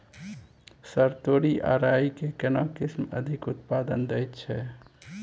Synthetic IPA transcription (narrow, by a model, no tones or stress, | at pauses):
səɾt̪oɾiʔa̰ɾaikekenakismə̰d̪ʱikut̪pad̪ənd̪ɛjt̪t͡ʃʰɛ